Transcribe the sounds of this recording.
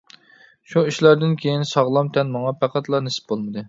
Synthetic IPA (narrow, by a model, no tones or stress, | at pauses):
ʃuiʃlɑɾd̪ɪnkʲʰejinsɑʁlˠɑmt̪ʰɛnmɑŋɑpʰæqʰæt̪lˠɑnesɪ̥p̚bolˠmɨd̪ɨ